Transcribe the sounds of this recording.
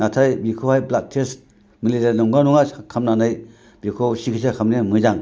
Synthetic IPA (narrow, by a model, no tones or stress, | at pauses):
natʰajbikʰowhajblak̚tʰest | militeɾnɔŋɡanuŋakʰamnanaj | b̥ikʰowsikʰisakʰamnemɯzaŋ